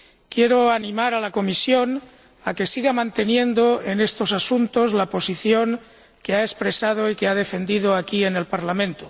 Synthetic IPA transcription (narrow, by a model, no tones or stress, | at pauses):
kje̞ɾoanĩmaɾalako̞misjo̞n | ake̞siɣamãnt̪e̞nje̞nd̪o̞e̞ne̞st̪o̞sasunt̪o̞zlapo̞siθjo̞ŋ | ke̞aespɾe̞sað̞oike̞að̞e̞fe̞nd̪ið̞oakie̞ne̞lpaɾlamẽnt̪o